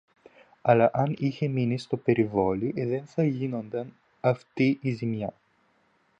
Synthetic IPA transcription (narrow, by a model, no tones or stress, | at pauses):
ɐlɐʔɐniçe̞minist̪o̞pe̞ɾivo̞liðe̞nθɐʝino̞nd̪ɐn | ɐft̪iʔizimɲɐ